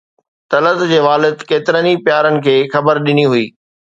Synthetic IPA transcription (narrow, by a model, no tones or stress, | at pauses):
t̪ɐləd̪d͡ʑeːʋaːlɪd̪keːt̪ɪɾənipjaːɾənɪ̆kʰeːxɐbəɾɗɪniɦʊḭː